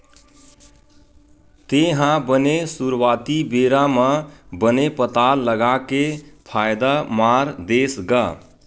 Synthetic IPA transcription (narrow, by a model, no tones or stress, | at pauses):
t̪eɦãbənesuɾwat̪ibeɾaməbənepət̪alːəɡakepʰajd̪amaɾd̪esɡa